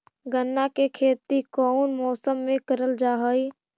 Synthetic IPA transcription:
ɡənːakekʰeːt̪ikɔnmɔːsəmːẽkəɾəld͡ʒaːɦəi

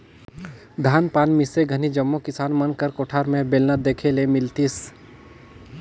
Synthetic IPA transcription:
d̪ʱaːnpaːnmɪseɡʱənid͡ʒəmːokɪsaːnmənkəɾkoːʈʰaːɾmẽbeːlnəd̪eːkʰelemɪlt̪is

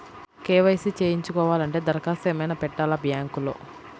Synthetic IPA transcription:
keːʋɐjsit͡ʃeːjiɲt͡ʃukɔːʋaːlɐɳʈe̞ːd̪ɐɾkaːseːmɐjnɐpɛʈːaːlɐbjaːŋkulo̞̰ː

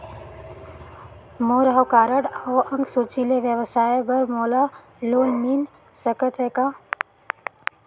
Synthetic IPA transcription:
moːɾaɦʋkaːɾəɽɔːɐ̃ŋɡsut͡ʃileʋjəʋsaːjbəɾmoːla | loːlmiːn | səkət̪ɦeːkaː

